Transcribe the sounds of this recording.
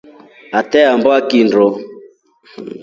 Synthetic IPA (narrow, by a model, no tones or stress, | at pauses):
atɛambɔakindɔ